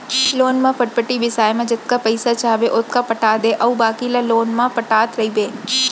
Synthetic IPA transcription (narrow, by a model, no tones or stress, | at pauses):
loːnmãpɐʈ̚pəʈibɪsaːjemãd͡ʒɪt̪̚kapɐɪsat͡ʃaːbeʔʊt̪̚kapɐʈaːd̪eʔɐubaːkilaloːnmãpɐʈaːt̪ɾɐibeː